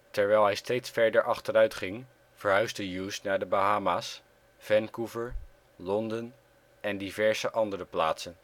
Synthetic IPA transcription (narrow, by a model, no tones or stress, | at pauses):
tɛɹʋɛjlˠɦɛjstejtsfɛɹdəɹʔɑχtəɾœɥtχɪŋ | v̥əɹɦœɥzdəjuːsnaːɹdəbaɦaːmaːs | v̥ɛnkuvəɹ | lɔndən | ɛndivɛɹzəʔɑndərəpla̰ːtsən